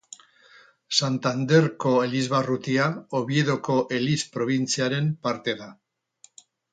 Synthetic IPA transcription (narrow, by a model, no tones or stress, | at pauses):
sant̪and̪e̞ɾko̞elizβarut̪iaoβie̞ðo̞ko̞ʔe̞lispɾo̞βint͡siaɾe̞mpaɾt̪e̞ða